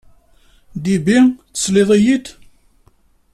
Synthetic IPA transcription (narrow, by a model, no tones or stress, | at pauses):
d̪ibit͡sːə̥sleðˤijit̪